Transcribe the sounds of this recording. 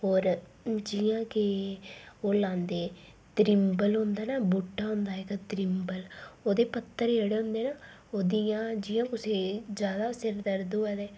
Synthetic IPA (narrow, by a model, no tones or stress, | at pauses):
ɦoːɾ | d͡ʒɪjãːkɪ | oːlãːnd̪eː | t̪ɾɪmbəlɦʊ̃nd̪aːnaːbuːʈːaːɦʊ̃nd̪aːekat̪ɾɪmbəloːd̪eːpət̪ːəɾeːɽeɦʊ̃nd̪eːnaː | oːd̪iãːd͡ʒɪjãːkʊseːd͡ʒjaːd̪aːsɪɾd̪əɾd̪oːɛːd̪eː